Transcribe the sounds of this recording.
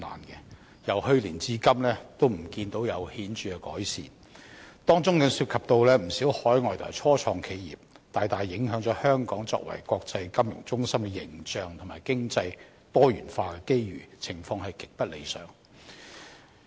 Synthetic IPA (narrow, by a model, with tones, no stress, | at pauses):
na̰ː˨˩nkɛ˧ | jɐ˨˩whɵ˧ɥliː˨˩nt͡siː˧kɐ˥mlɛː˥t̪o˥wm̩˨˩kiː˧nt̪o˨˥wjɐ˨˧whiː˨˥nt͡ʃyː˨˧kɛ˧kɔː˨˥jsḭː˨˩n | t̪ɔː˥ŋt͡sʊ˥ŋkɐ˨˧ŋsyː˧t̚kʰɐ˨p̚t̪o˧wlɛː˥m̩˨˩si˨˥whɔː˨˥jŋɔː˨˩jt̪ʰʊ˨ɐ̰˨˩t͡sʰɔː˥t͡ʃʰɔː˧ŋkʰe˨˧jjḭː˨p̚t̪aː˨jt̪aː˨jːɪ˨˥ŋɦœː˨˥ŋt͡ʃɔː˨˥hœː˥ŋkɔ̰ː˨˥ŋt͡sɔ̰ː˧k̚wɐ̰˨˩jkɔː˧k̚t͡sɐ˧jkɐ˥mjʊ̰˨˩ŋt͡sʊ˥ŋsɐ˥mkɛ˧jɪ̰˨˩ŋt͡ʃœː˨˧ŋt̪ʰʊ˨˩ŋma̰ː˨˩jkɪ˥ŋt͡sɐ˧j | t̪ɔː˥jy̰ː˨˩nfaː˧kɛ˧ke˥jɥyː˨˩t͡sʰɪ˨˩ŋfɔː˧ŋɦɐ˨jkɪ˨k̚pɐ˥t̚le˨˧jsœ̰ː˨˩ŋ